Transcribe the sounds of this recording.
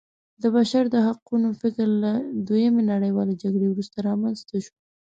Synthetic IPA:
d̪əbaʃaɾd̪əɦaqunofɪkɾlad̪ojamenaɽəjwɑled͡ʒaɡɽewɾust̪aɾɑmanzt̪aʃo̥

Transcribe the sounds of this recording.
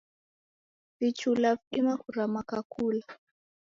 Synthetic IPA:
vit͡ʃulavɗimakuɾamakakuːla

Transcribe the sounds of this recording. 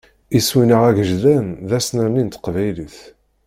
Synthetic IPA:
iswinəʁæʝəʒðænðæsnəɾnint̪qvæjliθ

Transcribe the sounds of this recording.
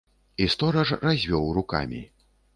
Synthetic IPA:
ist̪ɔɾɐʐrazʲvʲɔwruka̰mʲḭ

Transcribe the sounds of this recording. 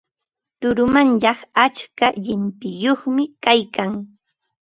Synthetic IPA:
t̪ʊɾʊmanʎɑχat͡ʃkaʎɪmpɪjoχmɪkajkaŋ

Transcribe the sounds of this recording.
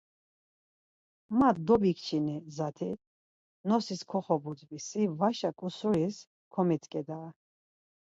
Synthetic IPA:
mad̪ɔbikʰt͡ʃʰinizat̪ʰi | nɔsiskʰɔχɔbut͡sʼvisivaʃakʼusuɾis | kʰɔmit̪ʰkʼɛd̪a

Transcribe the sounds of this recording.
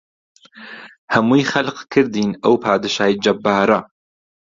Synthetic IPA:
hɐmujxɐlqkʰɨɾd̪iːnɐwpʰaːd̪ɨʃaːjid͡ʒɐbːaːɾɐ

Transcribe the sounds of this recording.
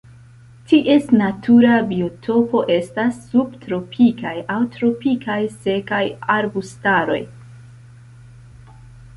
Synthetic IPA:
tiʔe̞snatʰuɾabiotʰo̞po̞ʔe̞stasːubtɾo̞pʰikajawtɾo̞pikajse̞kajaɾbustaɾo̞̰j

